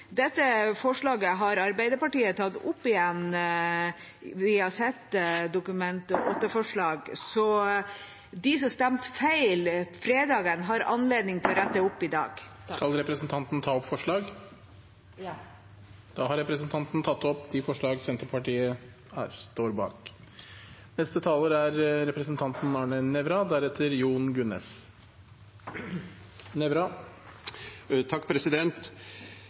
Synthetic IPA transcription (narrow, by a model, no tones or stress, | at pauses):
d̪ɛt̪ːəfɔʂɭɑːɡəɦɑɾɑɾbæɪd̪əɾpɑʈiːət̪ʰɑt̪ːʊpːɪjɛn | ɪhɑsɛt̪ːd̪ʊkʉmɛnt̪ɔʔot̪ːəfɔʂɭɑːɡsɔ | d̪ɪs̬ɔst̪æmt̪fæɪlfɾeːd̪ɑːɡənɦɑɾɑ̰nleːd̪nɪŋt̪ʰɪlɔɾæt̪ːəʊpːɪd̪ɑ̰ːɡskɑlɾɛpɾɛsn̩t̪ʰɑnt̪nət̪ʰɑːɔpfɔʂɭɑːɡ | d̪̥ɑːɦɑɾɛpɾəsn̩t̪ʰɑnt̪n̩t̪ʰɑt̪ːɔpd̪ifɔʂɭɑːɡsɛnt̪əɾpʰɑʈiːə | æst̪oːɾbɑ̰ːk | nɛst̪ət̪ʰɑːləɾæɾɾɛpɾəsn̩t̪ʰɑnt̪n̩ɑːɳənɛʋɾɑd̪æɾɛt̪ʰːəɾjuːnɡʉnɛ̰s | nɛʋɾɑ | t̪ʰɑkːpʰɾɛsɪd̪ɛnt̪